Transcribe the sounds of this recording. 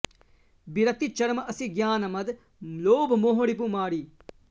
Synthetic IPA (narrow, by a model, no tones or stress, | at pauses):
biɾɐt̪it͡ʃɐɾmɐsĩɡjaːnɐmɐd̪ | loːbmoːɦoɽip̬umaːɽiː